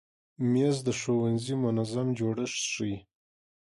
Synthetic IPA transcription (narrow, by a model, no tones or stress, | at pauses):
mezd̪əʂowanzimʊnazamd͡ʒoɽəʂʂəj